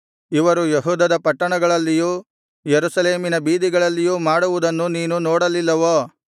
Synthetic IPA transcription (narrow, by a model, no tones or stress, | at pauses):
iʋɐɾujeɦuːd̪ɐd̪ɐpɐʈːɐɳɐɡɐɭɐlːijuː | jeɾusɐleːminɐbiːd̪iɡɐɭɐlːijuːmaːɽuʋud̪ɐnːuniːnunɔːɽɐlilːɐʋoː